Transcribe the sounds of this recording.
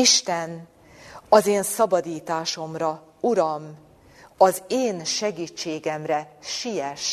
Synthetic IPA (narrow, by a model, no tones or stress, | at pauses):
iʃt̪ɛn | ɒzeːnsɒbɒd̪iːt̪aːʃo̞mrɒ | uɾɒm | ɒzeːnʃɛɡiːt͡ʃːeːɡɛmrɛʃijɛʃ